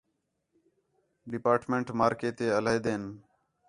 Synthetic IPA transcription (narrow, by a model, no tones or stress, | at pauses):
ɖɪpaːʈmẽɳʈmaːɾkeːt̪eːələeːd̪eːn